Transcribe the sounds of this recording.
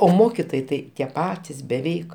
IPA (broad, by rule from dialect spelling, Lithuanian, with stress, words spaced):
oː ˈmoːkʲɪtoːjɛɪ ˈtɐɪ tʲiɛ ˈpɑːtʲɪs bʲɛˈʋʲɛɪk